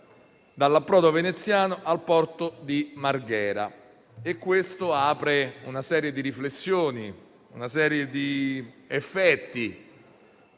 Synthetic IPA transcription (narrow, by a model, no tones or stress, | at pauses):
d̪alːapːɾɔːd̪ovenet̪sːjaːnoʔalpɔrt̪od̪imarɡɛːɾa̰ | ekːwest̪oaːpɾeunasɛːɾjed̪iɾiflesːjoːni | unasɛːɾjed̪iefːɛt̪ːi